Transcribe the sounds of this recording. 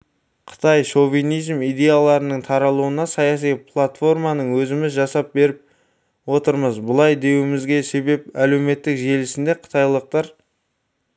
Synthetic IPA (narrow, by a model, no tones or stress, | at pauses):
qʰə̥t̪ɑjʃo̞vijnijzmijd̪e̞jalˠɑɾənəɴt̪ʰɑɾɑlˠuənɑsɑjɑs̬ijpʰlˠat̪fo̞ɾmɑnəɴwɵzɪmɪzʒɑsɑp̚be̞ɾɪp̚ | wo̞t̪əɾməzbʊlˠɑjd̪e̞wɪmɪzɡʲe̞se̞be̞p̚æle̞wme̞t̪ːɪkʒe̞lɪsɪnd̪e̞qʰə̥t̪ʰɑjlˠəq̚t̪ɑɾ